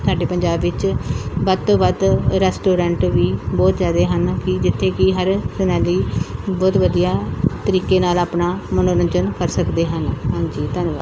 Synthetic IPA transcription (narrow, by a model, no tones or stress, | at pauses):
sʊaːɖeːpəɲd͡ʒaːbːɪt͡ʃbəd̪t̪õːbəd̪ɾɛːsʈoːɾɛ̃ːɳʈʋiːbɔːt̪zjaːd̪eːɦənkɪd͡ʒɪt̪ʰːeːkɪɦəɾsənɛːliːbɔːt̪ʋəd̪ijaːt̪əɾiːkeːnaːlaːpnaːmənoːnənd͡ʒənkəɾsəkd̪eːɦənɦãːɲd͡ʒiːt̪ənʋa̰ːd̪